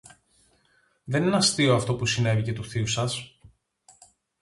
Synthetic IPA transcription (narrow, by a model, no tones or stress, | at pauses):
ðe̞nenɐst̪ioɐft̪o̞pusine̞vice̞t̪uθiusɐs